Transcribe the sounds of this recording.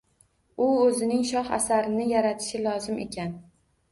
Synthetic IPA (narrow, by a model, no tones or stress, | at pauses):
ʊɵzɪnɪŋʃɒχa̰saɾɪnɪjaɾat̪ʰɪ̥ʃɪlˠɒzɪmʔe̞̰kʲʰan